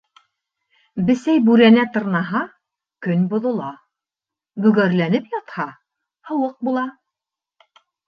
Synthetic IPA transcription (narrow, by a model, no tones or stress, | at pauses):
bɘ̆sæjbʉɾænæt̪ɤ̆ɾnɑɦɑ | kɵnbŏðŏlˠɑ | bɵ̆ɡæɾlænɘpjɑt̪hɑ | hɤ̆wɤq̚bulˠɑ